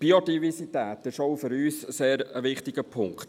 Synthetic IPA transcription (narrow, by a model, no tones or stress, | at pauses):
b̥iodivɛsit̪æːtɪʃoʊfʏɾyːsseːɾəʋɪχtɪɡ̥əpʰʊŋkt̪